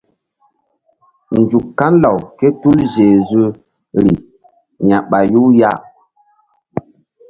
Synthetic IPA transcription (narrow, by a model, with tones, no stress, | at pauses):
n̩˨d͡ʒu˨kkːa˦n˦la˨wke˦tu˦ld͡ʒe˨zu˦ | ɾi˨ | ɲa˨ɓa˨ju˦ja˦